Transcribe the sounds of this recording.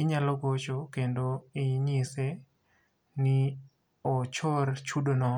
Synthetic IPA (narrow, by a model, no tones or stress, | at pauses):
ɪɲalɔɡot͡ʃokendoɪɲise | nɪ | ɔt͡ʃoɾt͡ʃudonɔ